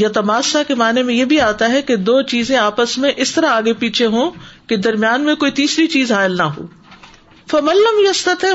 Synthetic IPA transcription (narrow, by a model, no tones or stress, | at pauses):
jɐt̪ɐmaːsakemaːnemẽjeːbʱiaːt̪aɦɛked̪oːt͡ʃiːzẽaːpəsmẽʔɪst̪ɐɾaaːɡepiːt͡ʃʰeɦõːked̪ɐɾmjaːnmẽkoːit̪iːsɾit͡ʃiːzɦaːɪlnɐɦo̰ː | fɐmɐ̃nlɐmjɐst̪ɐt̪ɪ